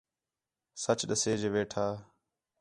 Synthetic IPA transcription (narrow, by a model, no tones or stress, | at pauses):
sət͡ʃɗəseːd͡ʒeʋeːʈʰaː